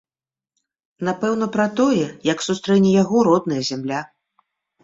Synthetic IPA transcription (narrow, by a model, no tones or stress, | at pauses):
n̪apɛwnɐpɾɐt̪ɔjɛjɐksust̪ɾɛnʲɛjaɣɔɾɔd̪nɐjɐzʲamlʲa